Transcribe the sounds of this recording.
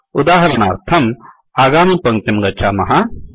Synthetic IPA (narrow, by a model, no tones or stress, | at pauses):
ud̪aːɦɐɾɐna̰ːɾt̪ʰɐm | aːɡaːmipɐ̃ŋt̪emɡɐt͡ʃʰamɐɦa